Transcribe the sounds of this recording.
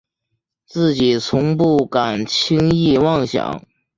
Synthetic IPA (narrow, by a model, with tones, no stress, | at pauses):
t͡sɹ̩˥˩t͡ɕi˨˩t͡sʰʊ˧˥ŋpu˥˩ka˨˩nt͡ɕʰi˥ŋi˥˧wɑ˥˩ŋɕjɑ̰˨˩˦ŋ